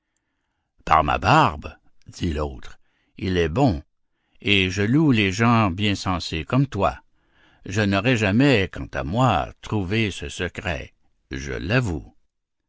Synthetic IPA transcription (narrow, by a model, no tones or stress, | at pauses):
pa̰ʁma̰baʁb | d̪̥iloːt̪ʁ | ilɛbɔ̃ | eʒəluleʒɑ̃bjɛ̃sɑ̃sekɔmt̪wa̰ | ʒənɔʁɛʒamɛkɑ̰̃t̪a̰mwat̪ʁuvesəsəkʁɛ̰ | ʒə̰lːavu